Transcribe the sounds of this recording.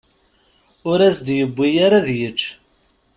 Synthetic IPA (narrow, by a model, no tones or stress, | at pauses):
ʊɾæsd̪jəbʷːijaɾaðjət͡ʃː